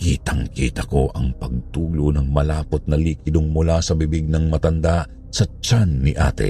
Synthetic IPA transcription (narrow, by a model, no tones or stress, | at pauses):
kiːt̪ɐŋkiːt̪ɐko̞ʔɐŋpɐɡ̚t̪uːlonɐŋmɐlaːpot̪̚nɐliːkɪd̪ʊŋmʊlasɐbɪbɪɡ̚nɐŋmɐt̪ɐnd̪aʔ | sɐt͡ʃanːɪʔa̰ːt̪ɛ̰